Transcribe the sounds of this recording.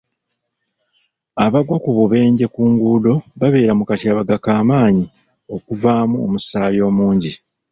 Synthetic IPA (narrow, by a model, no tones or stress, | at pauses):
aβaɡwakuβuβe̞ːɲɟe̞kuːŋɡuːdo̞βaβe̞ːɾamukatjaːβaɡakaːmaːɲi | o̞kuvaːmuomusaːjo̞ːmuːɲɟi